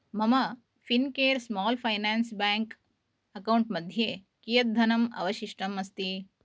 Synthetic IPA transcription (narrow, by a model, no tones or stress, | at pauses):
mɐmɐ | finkeːɾsmɔːlpʰɐjnaːnsbaːŋk | ɐkɐwɳʈmɐd̪ʱjeː | kijɐt̪̚d̪ʱɐnɐmɐ̰ʋɐʃiʂʈɐmɐst̪i